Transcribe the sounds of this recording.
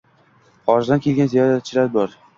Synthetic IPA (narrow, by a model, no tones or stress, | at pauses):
ɒɾzd̪ankʲʰelɡʲanzijɒɾat͡ʃʰɪɾaɾ̚bɒɾ